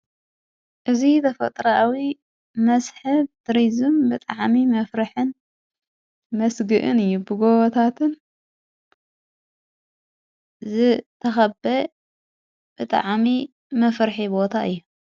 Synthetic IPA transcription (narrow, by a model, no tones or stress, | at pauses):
ʔɨzit̪ʰɐfɐ̰t̪ʼɾɐawi | mɐsħɨb̚t̪ɨɾizɨmbɨt̪ʼaʕmimɐfɾɨħɨn | mɐsɡɨʔɨnɨjːubɨɡoβɐt̪ʰat̪ʰɨn | zɨt̪ʰɐxɐbɐ | b̥ɨt̪ʼa̰ʕmi | mɐfɾħibo̞t̪ʰaʔɨjːu